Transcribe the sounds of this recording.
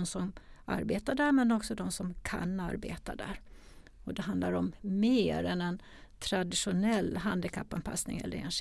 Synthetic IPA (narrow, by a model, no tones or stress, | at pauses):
nsɔma̰ɾbeːt̪aɖæɾmɛnɔksɔd̪ɔmsɔmkʰa̰na̰ɾbḛːt̪a̰d̪æ̰ːɾ | ɔd̪ɛɦand̪laɾɔmːeːɾɛnɛn | t̪ʰɾad̪ɪɧʊnɛlːɦand̪ɪkʰapːanpʰa̰snɪ̰ŋɛ̰lːə̰ɾɛnʂ